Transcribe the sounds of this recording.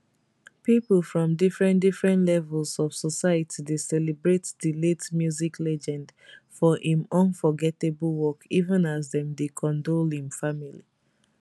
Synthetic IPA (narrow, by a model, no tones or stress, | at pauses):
piplˠfɹɔ̃mdifɹɛ̃ndifɹɛ̃ntlɛvɛlˠsɔv̥sɔsajətʰidesɛlebɹetdiletmjuziklɛd͡ʒɛ̃ndfɔʔĩmɔ̃nfɔɡɛtebəlˠwɔkivə̃nazðɛ̃mdekʰɔ̃ndolhĩmfamili